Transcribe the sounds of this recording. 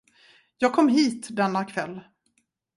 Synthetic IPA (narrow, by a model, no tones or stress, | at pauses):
jɑːɡ̚kʰɔmːɦiːt̪d̪ɛnːakʰvɛlː